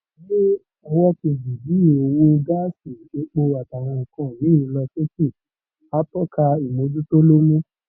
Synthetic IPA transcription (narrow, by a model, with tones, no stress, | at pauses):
le˦ | ɔ˧wɔ˦ki˧zi˨bi˦˨o˧˨wũ˦ɡa˦si˨ke˧˦k͡po˧a˨ta˨w̃ɔ̃˧ɔ˨kɔ̃˨˦˨nĩ˨˦˨ĩ˧˦lɔ˧ʃe˦ki˦˨ | a˦tɔ˦kʰa˧i˨mo˧du˦to˦lo˦mũ˦